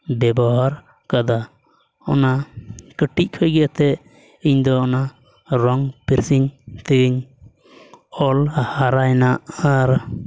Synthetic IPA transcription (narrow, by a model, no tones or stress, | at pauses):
bɛbɔɦaɾ | kad̪a | ɔnakəʈic̚ˀkʰɔjɡɛt̪ɛ | iɲd̪ɔːna | ɾɔŋpiɾsiŋt̪iɡiɲ | ɔlhaɾajnaʔaɾ